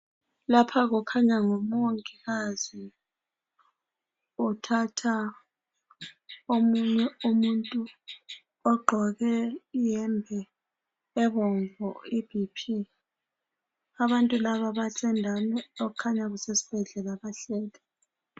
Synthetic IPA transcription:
lapʰaɣ̬ukʰaɲaŋomoŋkʼiɣazi | utʰatʰa | omuɲɛomuntʼu | ɔɡ͡ǃʱɔɣɛjɛmbʱɛː | βɔɱvɔib̥ʱipʰi | aβantʼulaβaβasʰʼɛndʱanɛokʰaɲaɣusesi̥b̥ʱɛɮɛlaβaɬɛːlɛ

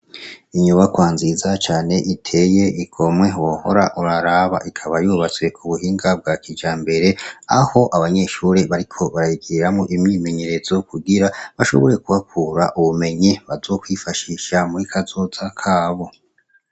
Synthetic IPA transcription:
iɲuβakwaːnzizat͡ʃaːne̞ʔitʰe̞je̞ʔikʰo̞mŋe̞woho̞̰ɾaʔuɾaɾaβa̰ʔikʰaβajuːβat͡swe̞kʰuβuhiːŋɡab̚ɡaːkid͡ʒaːmbe̞ɾe̞aho̞ʔaβaɲe̞ʃuːɾeβaɾikʰo̞βaɾajiɡiɾamŋoʔimɲiːme̞ɲe̞ɾe̞zo̞kuɡiɾaβaʃo̞̰βo̞ɾe̞kuβakuːɾa̰ʔuβume̞ɲiβazo̞ːkwiːfaʃiʃamuɾikʰazo̞zakʰaːβo̞

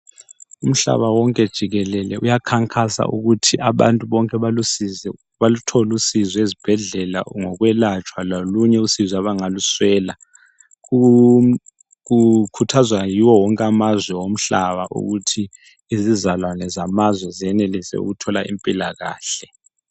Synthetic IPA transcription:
um̩ɬa̰βawɔŋkʼɛd̥ʒ̥ʱiɣɛlɛlɛujakʰaŋkʼʰasa̰ʔuɣutʰiʔaβa̰ntʼuβɔŋkʼɛi | βalutʰɔlusizɔezib̥ʱɛɮɛla̰ŋɔɣwɛlat͡ʃʼwaloluɲɛusizaβaŋaluswɛːla | u | ɣukʰutʰazwajiwɔwɔŋkʼamazwɛwom̩ɬaβaʔṵɣutʰiː | zizalwanɛzamazwɛzijɛnelisɛ̰ṵɣutʰɔlaʔimpʼila̰ɣa̰ːɬɛ

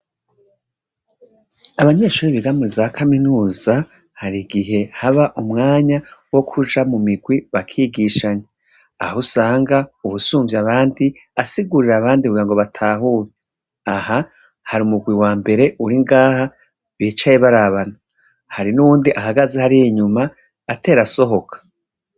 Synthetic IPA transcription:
aβaɲe̞ːʃuːɾiβiɡamiɾizaβakʰaminuːza | haɾiɡiɦe̞haβaʔumŋaːɲawo̞kʰud͡ʒamumiɡwiβakʰiːɡiʃaɲe | a̰husaːŋɡauβusuːɱvjaβaːndi | asiɡuɾiɾaβaːndikuɡiɾaŋɡo̞βatʰaːɦuːɾe | aha | haɾiumuɡwiwaːmbe̞ɾe̞ʔuɾiŋɡaːha | βiːt͡ʃajeβaɾaβana | haɾinuβuːndiʔaɦaɡazehaɾiiɲumaː | te̞ːɾaso̞ɦo̞kʰḁ

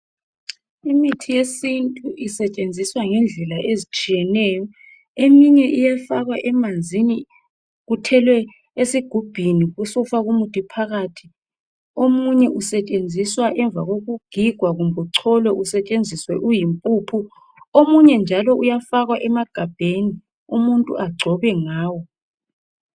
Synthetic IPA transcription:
imitʰijesintʼuʔisɛt͡ʃʼend͡zʱiswaŋɛnd͡ɮʱɛlaʔezit͡ʃʼijɛnɛːjɔ | emiɲɛʔijafaɣwaʔɛmand͡zʱini | ɣutʰɛlwɛ | esiɡ̥ʱub̥ʱiniɣusɔfaɣumutʼipʰaɣaːtʰi̥ | omuɲɛʔusɛt͡ʃʼend͡zʱiswaʔɛɱb̪vʱaɣoɣuɡ̥ʱiɡ̥ʱwaɣumbʱuǀʰɔlwɛʔusɛt͡ʃʼend͡zʱiswɛʔujimpʼupʰu | omuɲɛnd͡ʒʱalɔujafaɣwaʔɛmaɡ̥ʱab̥ʱeni | umuntʼuʔaɡ͡ǀʱɔβɛŋaːwɔ

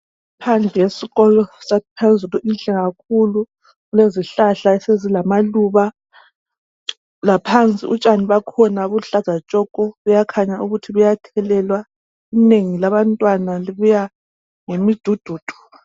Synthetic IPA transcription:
ipʰand͡ɮʱɛjesiɣɔlɔsapʰand͡zʱʼuluʔinɬɛɣak̚ʰulu | ɣuleziɬaɬaɛsezilamaluβa | lapʰant͡sʼḭʔut͡ʃʼaniβakʰɔnaβuɬaz̥ʱat͡ʃʼɔkʼɔβujakʰaɲauɣutʰiβujatʰɛlɛlwa | ineŋilaβantʼwanaliβuja | ŋemid̥ʱud̥ʱuːd̥ʱu̥

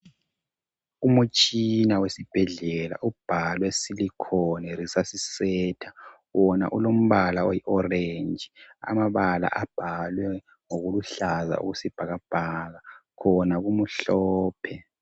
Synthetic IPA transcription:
umut͡ʃʼinawesib̥ʱɛɮɛla̰ʔub̥ʱalwɛsilikʰɔnɛrisasisɛːtʰa | wɔna̰ʔulom̩βalaojiʔɔrend͡ʒʱia̰maβala̰ʔab̥ʱalwɛ | ŋoɣuluɬaza̰ṵɣusib̥ʱaɣab̥ʱaɣakʰɔnaɣumuɬɔːpʰɛ

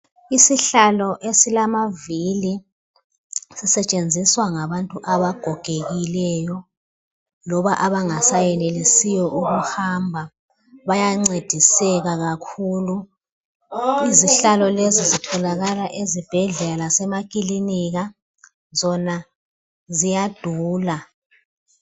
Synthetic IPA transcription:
isiɬalɔʔesilamavili | sisɛt͡ʃʼend͡zʱiswaŋaβantʼuʔaβaɡ̥ʱɔɡ̥ʱeɣilɛjɔ | lɔβaʔaβaŋasajɛlelisijɔʔuɣuhambʱa | βajaŋ͡ǀed̥ʱisɛɣaɣakʰuːlu | iziɬalɔlezizitʰɔlaɣalaʔezib̥ʱɛɮɛlasɛmakʼiliniɣa | zɔna | zijad̥ʱuːla

